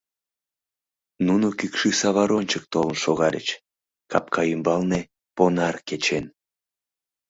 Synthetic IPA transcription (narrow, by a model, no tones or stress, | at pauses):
nunukykʃisɑβɑɾonʲt͡ɕək̚t̪olənʃoɣɑlʲə̰t͡ɕ | kɑ̰p̚kʰɑymbɑlne | ponɑrket͡ɕen